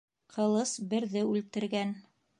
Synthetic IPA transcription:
qʰɤ̆lˠɤsbɘ̆ɾðɘʉlt̪ɘ̆ɾɡæn

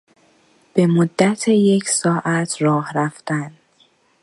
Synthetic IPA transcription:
b̥e̞mod̪ːæt̪ʰeje̞cʰsɒːʔæt̪ʰɾɒːhɾæft̪æn

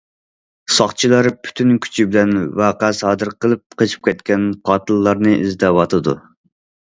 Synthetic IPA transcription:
sɑχt͡ʃʰilˠɑɾpʰy̥t̪ʰynkʲʰy̥t͡ʃʰibɪlɛnwɑːqæsɑːd̪ɨɾqəlˠɨp̚qʰət͡ʃʰi̥p̚kʲɛt̪̚kʲɛnqʰɑːt̪ʰɨlˠːɑɾnɨʔḭzd̪ɛwɑt̪ʰɨd̪ṵ

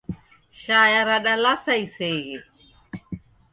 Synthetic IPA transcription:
ʃaːjaɾaɗalasaiseɣe

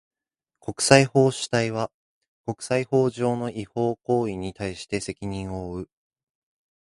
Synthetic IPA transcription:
ko̞kɯ̟̥saiho̞ːɕi̥t̪aiβa | ko̞kɯ̟̥saiho̞ːʑo̞ːno̞ʔiho̞ːko̞ːiɲ̟it̪aiɕi̥t̪e̞se̞kʲiɲ̟ĩɰ̃o̞ːɯ̟

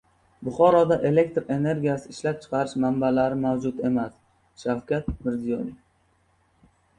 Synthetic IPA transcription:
bʊχɒɾɒd̪aʔe̞le̞k̚ʲt̪ɾe̞ne̞ɾɡʲijasɪːʃlap̚t͡ʃʰɨ̥qʰɑɾɪʃmambalaɾɪmawd͡ʒʊt̪e̞mas | ʃawkʲʰat̪̚mɪɾzijɒnef

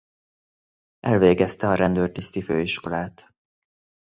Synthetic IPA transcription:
ʔɛlveːɡɛst̪ɛɒɾɛnd̪øːrt̪ist̪ifø̰ːiʃko̞laːt̪

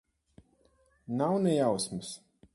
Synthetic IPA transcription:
nawnɛjawsmɨs

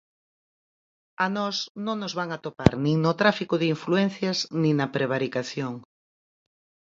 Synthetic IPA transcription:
anɔsnõŋnʊzβaŋat̪opa̰ɾnĩŋnʊt̪ɾafikʊðɪiɱfluɛn̟θjɐznĩŋnɐpɾeβ̞aɾikaθjoŋ

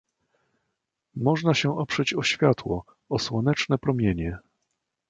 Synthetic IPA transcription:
mɔʐnaɕɛʔɔpʂɛt͡ɕɔɕfʲjat̪wɔ | ɔswɔnɛt͡ʂnɛpɾɔmʲjeɲɛ

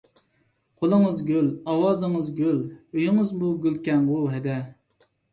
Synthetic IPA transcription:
qʰolˠəŋəzɡʲølɑwɑːzɨŋəzɡʲøløjɪŋəzmuɡʲylkʲɛŋwuɦɛd̪ɛ

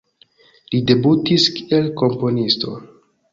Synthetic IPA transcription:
lide̞butiskie̞lko̞mpo̞nisto̞̰

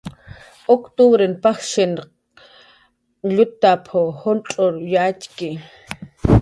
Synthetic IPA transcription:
okt̪uβɾenpaxʃen | ʎut̪ːapʰohonʈ͡ʂʼoɾjatki

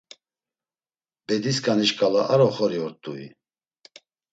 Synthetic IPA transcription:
bɛd̪iskʼaniʃkʼalaʔaɾɔχɔɾiɔɾt̪ʼuḭ

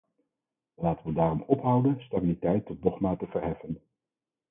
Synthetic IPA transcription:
əlaːtənʋədaːrɔmɔpɦʌwdənstabilitɛjtːɔt̚dɔχmaːtəvəɹɦɛfən

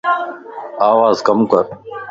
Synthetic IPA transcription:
aːʋaːzkəmkəɾ

